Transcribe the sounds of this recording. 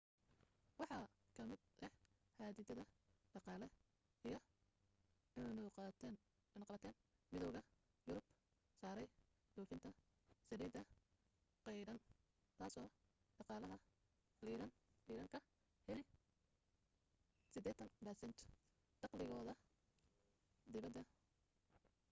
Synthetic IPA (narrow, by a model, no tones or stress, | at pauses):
wɑħɑ | kʰɐmɪd̪̚ʔɛhaːd̪ɪd̪ɐðɐɖɑqɑːlɛ | ijɞ | n | nɐqɑβɐt̪ʰɛːn | mɪðɔwɣɐ | jʊɾʊb | saːɾɛj | d̪ɔːfɪnt̪ʰɐ | sɐɾiːd̪ɐ | qɛjɾɐn | t̪ʰaːsɔː | ɖɑqɑːlɐɦɐ | iːɾɐniːɾɐŋkʰɐ | hɛlɪj | sɪd̪ɛːt̪ʰɐnbɐsɛnt̪ʰ | ɖɑqlɪɣɔːðɐ | d̪ɪβɐd̪ːɐ